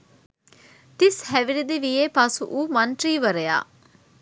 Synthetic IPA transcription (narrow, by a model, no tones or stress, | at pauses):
t̪ishæʋiɾid̪iʋijeːpɐsṵʔuːmɐɳʈɾiːʋɐɾeja̰ː